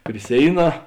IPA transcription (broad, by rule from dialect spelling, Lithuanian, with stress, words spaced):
pʲrʲɪ ˈsʲeːɪˌnɑː